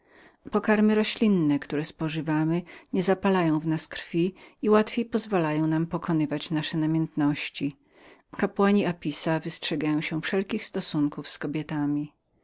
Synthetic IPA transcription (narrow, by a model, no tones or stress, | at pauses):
pɔkaɾmɘɾɔɕlʲinːɛkt̪uɾɛspɔʐɘvamɘɲɛzapalajɔ̃w̃vnaskɾfʲiiwat̪fʲjejpɔzvalajɔ̃w̃nampɔkʰɔnɘvat͡ɕnaʂɛnamʲjɛnt̪nɔɕt͡ɕi | kapwaɲiapʲisavɘstʂɛɡajɔ̃w̃ɕɛfʂɛlkʲixst̪ɔsuŋkufskɔbʲjɛt̪amʲi